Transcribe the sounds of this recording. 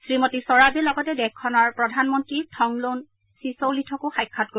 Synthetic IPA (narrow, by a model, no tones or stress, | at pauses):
sɹimotisɔɹabɛlɔɡɔtɛdɛkʰːɔnɔɹpɹɔdʱanmɔntɹitʰɔŋlon | sisowlitʰɔkʊxajkʰːɔt̚ko